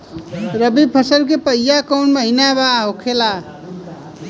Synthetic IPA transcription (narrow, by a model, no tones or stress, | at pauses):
ɾəbipʰʌsəɾk̬epəjjakəwnmʌɦinabaɦokʰela